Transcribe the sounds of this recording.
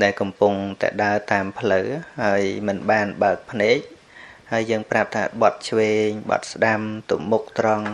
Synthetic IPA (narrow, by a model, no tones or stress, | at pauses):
ɗaɛlkɑmpʊŋt̪a̰ɗaət̪aːmpʰləwhaəjmɨnɓaːnɓaək̚pʰneːk̚ | haəjːəːŋprap̚t̪ʰa̰ːɓɑt̪̚t͡ɕʰʋeːɲɓɑ̰t̪̚sɗamt̪umːuk̚t̪rɑŋ